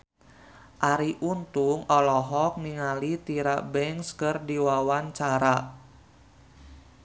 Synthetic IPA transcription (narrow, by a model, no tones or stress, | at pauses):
ʔaɾiʔunt̪uŋɔlɔɦɔk̚niŋalit̪iɾabɛŋkskɨrdiwawant͡ʃaɾa